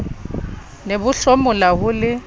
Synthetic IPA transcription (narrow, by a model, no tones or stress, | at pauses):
nebʊɬomʊlahʊlɪ